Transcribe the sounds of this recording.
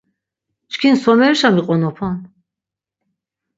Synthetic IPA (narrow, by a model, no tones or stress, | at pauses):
t͡ʃʰkʰinsɔmɛɾʃamiqʼɔnɔpʰɔn